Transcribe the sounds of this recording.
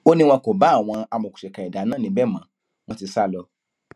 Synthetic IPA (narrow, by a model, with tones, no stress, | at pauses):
o˦nĩ˦˧w̃ɔ̃˧ko˨ba˨˦˨w̃ɔ̃˧a˧mɔ̃˨ku̥˨ʃɛ˨ka˨i˨da˨˦nãː˦˨nĩ˨˦bɛ˦˨mã˨ | w̃ɔ̃˧ti˧sa˦˨lɔ˧